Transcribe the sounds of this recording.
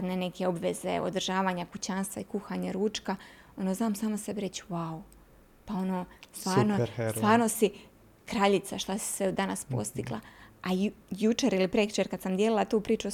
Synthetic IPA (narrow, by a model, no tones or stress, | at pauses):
d̪nene̞ke̞o̞bʋe̞ze̞̰o̰d̪r̩ʒaːʋaːɲakut͡ɕanst̪ʋaikuxaːɲaɾuːt͡ʃka | o̞noːznaːmsaːmose̞beɾe̞t͡ɕwau | pao̞no̞ːst̪ʋaːɾnost̪ʋaːɾnosi | kɾaʎit̪saʃt̪asi̥sʋed̪anaspo̰st̪iɡlˠa̰ajut͡ʃeɾilipɾeku̥t͡ʃeɾkad̪samd̪jelilˠat̪uːpɾiːt͡ʃu